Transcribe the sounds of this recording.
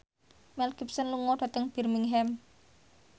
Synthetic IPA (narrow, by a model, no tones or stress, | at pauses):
mɛlkipsənluŋɔɖ̥ä̤t̪əŋb̥i̤rmiŋɦɛm